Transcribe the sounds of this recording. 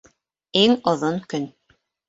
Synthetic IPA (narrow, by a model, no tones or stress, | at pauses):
iŋŏðoŋkɵn